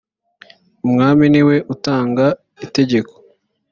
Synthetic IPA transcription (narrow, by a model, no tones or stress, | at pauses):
umŋaːminiwe̞ʔutaːŋɡa | ite̞ɟe̞ko̥